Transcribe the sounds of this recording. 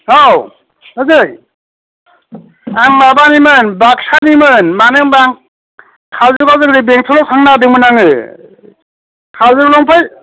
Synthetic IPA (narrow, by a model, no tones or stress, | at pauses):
aw | ɯzɯj | aŋmabanimɯnbaksanimɯnmanɯŋbaŋ | kʰalzɯkazɯŋɾibeŋtʰɯlɔpʰaŋnadɯŋmɯnaŋɯ | kʰalzɯɡlɔŋpʰaj